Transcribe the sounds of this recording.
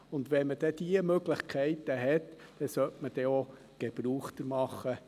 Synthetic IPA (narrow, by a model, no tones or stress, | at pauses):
ʊnd̪ʋɛməd̥̪ɛd̪̥iəmøɡləχkʰɛɪt̪əɦɛt̪d̪̥ɛsœtməd̥ɛo | ɡ̥eb̥ɾuːχt̪əɾmɑχːə